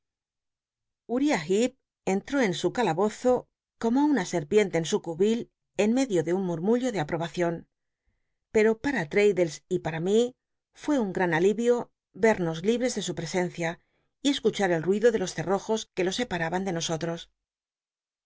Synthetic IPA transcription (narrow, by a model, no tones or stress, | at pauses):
uɾiaxip̚ | e̞nt̪ɾo̞e̞nsukalaβo̞θo̞ | ko̞mounase̞ɾpje̞nt̪e̞ːnsukuβil | e̞nme̞ðjo̞ðe̞unmuɾmuʎo̞ðe̞apɾo̞βaθjo̞n | pe̞ɾo̞paɾat̪ɾe̞jðe̞lsipaɾami | fwe̞uŋɡɾanaliβjo̞ | βe̞ɾno̞zliβɾe̞zðe̞supɾe̞se̞nθja | ie̞skut͡ʃaɾe̞lrwiðo̞ðe̞lo̞sθe̞ro̞xo̞ske̞lo̞se̞paɾaβand̪e̞no̞so̞t̪ɾo̞s